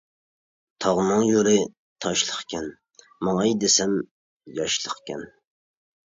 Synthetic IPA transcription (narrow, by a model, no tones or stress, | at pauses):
t̪ʰɑʁnɨŋjoɾɪ | t̪ʰɑʃlˠəχkʲʰɛn | mɑŋɑjd̪ɪsɛm | jɑʃlˠəqkʲʰɛn